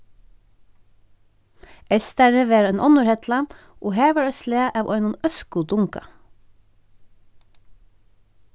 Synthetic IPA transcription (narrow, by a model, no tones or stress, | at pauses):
ʔɛst̪æɾəʋeːɾɛːnʔɔnʊɾhɛt̪lɑm | ʔoːheːʋəɹœsleːʔɑːʋʔɔ̰ʏnʊnœskʊd̪ʊŋkɑ̰